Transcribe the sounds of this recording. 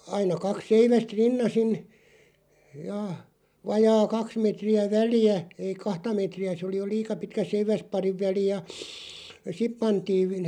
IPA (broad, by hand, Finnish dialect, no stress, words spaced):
ɑinɑ kɑk seiʋæst rinːɑsin jɑ ʋɑjɑː kɑks metriæ ʋæliæ ei kɑhtɑ meˑtriæ se oli jo liːkɑ pitkæ seiʋæspɑriʋ ʋæli jɑ sip pɑntiːʋ